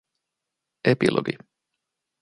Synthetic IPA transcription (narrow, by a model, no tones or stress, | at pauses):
epilʔo̰ɡi